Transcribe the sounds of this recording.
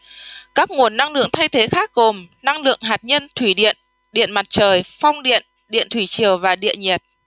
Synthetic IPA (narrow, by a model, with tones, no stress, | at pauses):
kaː˦˥k̚ŋu˨˩ənːa˧ŋlɨ̰˧˨əŋt̪ʰa˧jt̪ʰe˨˦xaː˦˥k̚ɣo˨˩mna˧ŋlɨ̰˧˨əŋɦaː˨˩t̚ɲə˧nt̪ʰwi˧˩ɗḭ˧˨ən | ɗḭ˧˨ənma˨˩t̚t͡ɕəː˨˩jfa˧wŋ͡mɗḭ˧˨ən | ɗḭ˧˨ənt̪ʰwi˧˩t͡ɕi˨˩əwvaː˨˩ɗḭ˧˨ənɲɛ˨˩t̚